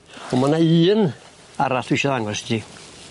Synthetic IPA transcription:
ɔmanaiːn | aɾaɬwɪʃɔðaŋɔsti

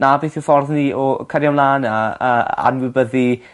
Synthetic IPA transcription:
nabejθɪwfɔrðniɔkʰəɾjawnlˠaːnaəa̰nwɪbəði

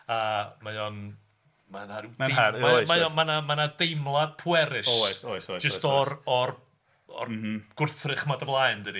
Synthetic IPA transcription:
amajɔn | manaɾidaaamajɔmanamanadejmlˠad̥̚pʰuɛɾɪʃosojsojd͡ʒəstɔrɔr | ɔ̰r̩ɡ̥ʊrθrɨχmadəvlˠajndɨdi

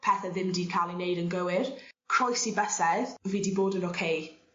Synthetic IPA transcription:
pʰɛθɛðɪmdiːkʰalinejdənɡəwɪrkʰr̥ɔjsibɛsɛðviːdiboːdənokʰej

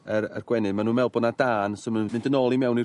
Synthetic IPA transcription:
ərə̰rɡ̥wɛnɨmanuːmɛlˠbɔnadaːnsəmənmɪ̃ndənɔlˠimɛwni

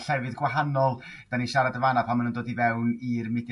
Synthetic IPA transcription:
ɬɛvɨðɡwaɦanɔlˠ | d̥aniʃaɾadəvanapʰamanəndoːdivɛwnirmɪd

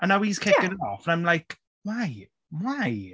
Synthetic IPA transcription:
ʔə̃nawiz̥kʰɪkɪ̃nɪtɔfə̃nãɪ̃mlajk | waɪ | waj

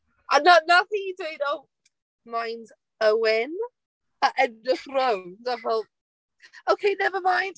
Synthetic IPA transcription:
ananaθidweɪdɔl | majnd | əwɪn | əʔɛdɪfrowndaɦɔlˠ | owkʰejnɛvəmãjnd̥

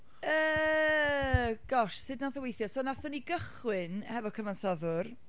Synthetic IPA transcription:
əː | ɡ̥ɔʃsɨdnɔðəwejθjɔsoːnaθʊniɡəχwɪnhɛvɔkʰəvansɔðʊr

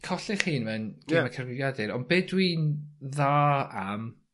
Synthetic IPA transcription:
kʰɔɬɪχiːnmɛnɡ̥ɪmakʰərvɪɡjadɪɾɔnbeːdwiːnðaːam

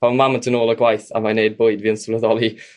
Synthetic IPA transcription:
amaməntʰənoːlˠəɡwajθa̰manejd̚bʊɨdviːənslˠəðɔlˠi

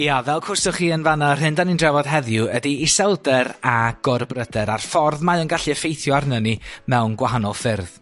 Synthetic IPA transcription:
javɛlˠkʰʊrsɔχiːənvanar̥ɦɨndanindrɛvɔd̥ɦɛðjʊədiːsɛlˠdɛɾaɡ̥ɔrbrədɛɾarfɔrðmajənɡaɬiəfejθjɔarnənimɛwnɡwaɦanɔlˠfɪrð̥

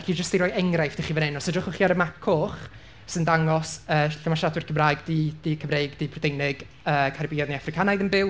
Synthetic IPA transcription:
ɬid͡ʒəstiɾɔːjɛŋrajfd̥ɪχivənɛnɔsədrʊχʊχiaɾəmakʰʊχ | səndaŋɔsəːɬamaʃadwɪrkʰəmrajɡd̥id̥ikʰəmrejɡd̥ipʰrɔdejnɪɡ̥ | əːkʰaɾibiɔdniafrɪkʰanajðənbɪwˠ

